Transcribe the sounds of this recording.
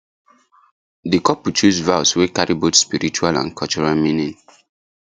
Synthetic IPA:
dikɔput͡ʃusvaʊswekaɹibotspiɹit͡ʃualã̰nkʰɔlt͡ʃɔɹalmĩnĩn

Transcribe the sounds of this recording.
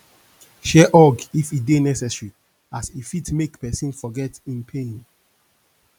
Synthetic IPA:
ʃɛʔɔɡifidenɛsɛsɹi | asifitmekpɛsĩnfɔɡɛtĩnpʰẽn

